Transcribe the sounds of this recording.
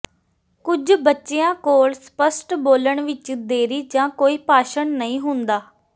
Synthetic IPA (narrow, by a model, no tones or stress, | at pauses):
kʊd͡ʒbətːʃeːãːkoːɭspəsʈboːləɳʋɪt͡ʃd̪eːɾiːd͡ʒãːkoːiːpaːʃəɳnəĩːɦʊnd̪aː